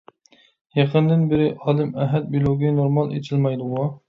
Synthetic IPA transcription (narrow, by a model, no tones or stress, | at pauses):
jɑqʰənd̪ɪnbɪɾɪʔɑːlˠɨmɛɦɛt̪̚bilˠoɡʲinoɾmɑlˠḛt͡ʃʰilˠmɑjd̪ʊʁʊ